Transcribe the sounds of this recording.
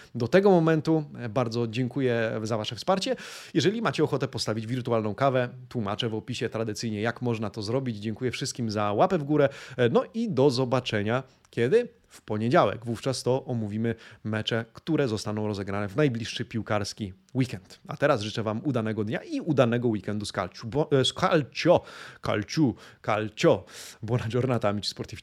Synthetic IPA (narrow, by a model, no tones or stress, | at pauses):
d̪ɔt̪ɛɡɔmɔmɛnt̪ubaɾd̪zɔd͡ʑɛŋkujɛzavaʂɛfspaɾt͡ɕɛjɛʐɛlʲimat͡ɕɛɔxɔt̪ɛpɔst̪avʲid͡ʑvʲiɾt̪ualnɔ̃w̃kavɛt̪wuma̰t͡ʂɛvɔpʲiɕɛt̪ɾad̪ɘt̪sɘjɲɛjakmɔʐnat̪ɔzɾɔbʲid͡ʑd͡ʑɛŋkujɛfʂɘst̪kʲimzawapɛvɡuɾɛnɔʔid̪ɔzɔbat͡ʂɛɲa | kʲɛd̪ɘ | fpɔɲɛd͡ʑawɛ̰ɡvuft͡ʂast̪ɔʔɔmuvʲimɘmɛt͡ʂɛkt̪uɾɛzɔst̪anɔ̃w̃ɾɔzɛɡɾanɛvnajblʲiʂʂɘpʲiwkaɾskʲi | wikɛnt̪a̰t̪ɛɾasʐɘt͡ʂɛvamud̪anɛɡɔd̪ɲaʔiud̪anɛɡɔwikɛnd̪uska̰lt͡ɕuskalt͡ɕɔka̰lt͡ɕuka̰lt͡ɕɔbɔnad͡ʒɔɾnat̪amʲit͡ɕspɔɾt̪ʲi